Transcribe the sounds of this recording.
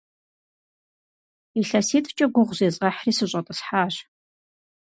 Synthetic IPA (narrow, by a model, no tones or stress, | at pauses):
iɬɐsiːtʰʼt͡ʃʼɐɡʷʊʁʷzeːzʼʁɐħriːsɨɕʼɐtʼɨsħaːɕ